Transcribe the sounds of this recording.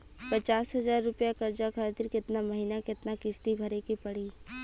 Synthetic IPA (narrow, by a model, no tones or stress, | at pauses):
pɐt͡ʃaːsɦɐzaːɾːʊpjakɐɾd͡ʒakʰaːt̪ɪɾkɪt̪namɐɦinakɪt̪nakɪst̪ibʱɐɾekipɐɽiː